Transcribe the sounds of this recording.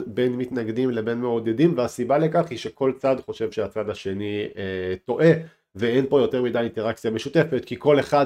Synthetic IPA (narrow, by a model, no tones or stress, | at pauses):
be̞nmitnaɡdimle̞be̞nmeod̪edimveasibalekaχhiʃe̞kʰo̞lt͡sadχo̞ʃe̞vʃeat͡sadaʃe̞nieto̞ʔe̞ | veenpo̞jo̞te̞ʁmidajint̪e̞ʁakt͡sjameʃute̞fe̞t̪kiko̞le̞χa